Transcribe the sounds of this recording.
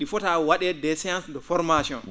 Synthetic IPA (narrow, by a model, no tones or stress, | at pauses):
ɗifɔtawaɗɛdɛsɛjãnsdɔfɔɾmasiɔ̰n